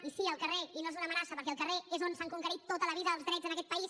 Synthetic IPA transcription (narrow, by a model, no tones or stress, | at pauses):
isiəlˠkəreinoezunəmənasəpəɾkɛəlˠkəreezonsaŋkuŋkəɾit̪ːot̪ələβiðəːlˠzðɾɛd͡zənəkɛt̪pəis